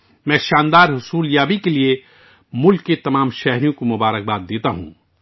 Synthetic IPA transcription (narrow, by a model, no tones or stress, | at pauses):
mɛ̃ːʃãːnd̪aːɾɦʊsuːljaːbikelie | mʊlkːet̪ɐmãːmʃɛɦɾijõkomʊbaːɾək̚baːt̪̚d̪eːt̪aɦṵ̃ː